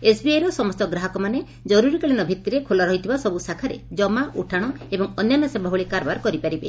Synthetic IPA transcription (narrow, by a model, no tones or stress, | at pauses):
esbiajɾɔsɔmɔst̪ɔɡɾaɦɔkɔmane | d͡ʒɔɾuɾikaɭenɔbʱit̪ːiɾekʰolaɾɔɦjt̪ʰibasɔbusakʰaɾḛd͡ʒɔmaʔuʈʰaɽ̃ɔ | ebɔŋɔnjɔmasebʱaɦuɭekaɾbaɾkɔɾipaɾibḛ